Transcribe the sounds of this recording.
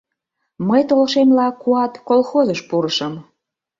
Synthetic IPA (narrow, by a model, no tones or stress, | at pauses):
məjt̪olʃemlɑkuɑt̪kolxozəʃpuɾəʃəm